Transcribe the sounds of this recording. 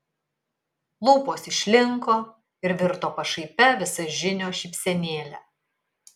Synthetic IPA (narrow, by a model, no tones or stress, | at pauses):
lˠuːpoːsɪʃʲlʲɪŋkoː | ɪɾʋʲɪɾt̪oːpɐʃɐɪpʲɛʋʲɪsɐʒʲɪnʲoːʃʲiˑpʲsʲɛnʲeːlʲɛ̰